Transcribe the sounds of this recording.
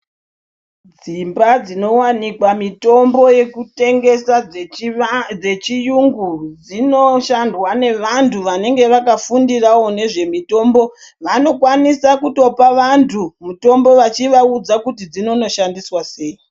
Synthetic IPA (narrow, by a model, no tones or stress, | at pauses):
d͡zimbad͡zino̞wanikwamito̞mbo̞je̞kute̞ŋɡe̞sa | d͡ze̞t͡ʃijuŋɡud͡zinoʃandwane̞ʋantʰuʋane̞ŋɡe̞ʋakafundirawo̞ne̞ʐe̞mito̞ːmbo̞ | ʋano̞kwanisakuto̞paʋantʰumuto̞mbo̞ʋat͡ʃiʋaud͡zakutid͡zino̞no̞ʃandiswase̞i